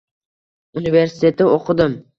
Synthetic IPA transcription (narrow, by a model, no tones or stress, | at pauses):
unive̞ɾsɪ̥t̪ʰe̞t̪ʰɪoqʰɨd̪ɪm